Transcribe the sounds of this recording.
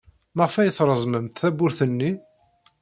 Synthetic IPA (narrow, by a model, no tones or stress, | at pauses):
məʁfæjəθɾˤəzˤməmt̪θæbʊɾθənːi